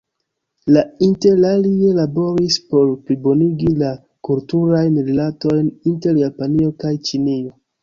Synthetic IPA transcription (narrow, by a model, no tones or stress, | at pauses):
lainte̞ɾlalielabo̞ɾispo̞ɾplibo̞niɡila | kultuɾajnɾelato̞jninte̞ɾjapanio̞kajt͡ʃinio̞